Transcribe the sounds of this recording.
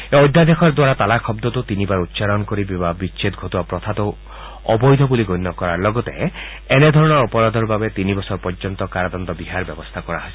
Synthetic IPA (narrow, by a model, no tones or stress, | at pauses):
ɔd̪ʱːad̪ekʰɔɾd̪waɾat̪alakʰɔbd̪ɔt̪ut̪inibaɾut̪ːʃaɾɔnkɔɾibibabit͡ʃʰet̪ɡʱɔt̪uwapɾɔt̪ʰat̪ɔ | ɔbɔjd̪ʱɔbuliɡɔjnːɔkɔɾaɾlɔɡɔt̪e | ened̪ʱɔɾɔɽ̃ɔɾɔpɔɾad̪ʱɔɾbabet̪inibɔsɔɾpɔɾd͡ʒɔnt̪ɔkaɾad̪ɔnd̪ɔbiɦaɾbjɔbɔst̪ʰakɔɾaɦɔs